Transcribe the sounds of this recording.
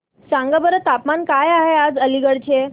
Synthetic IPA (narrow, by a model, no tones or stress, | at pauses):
sãŋɡəbəɾət̪apmankajaɦead͡zəliɡəɽt͡ɕe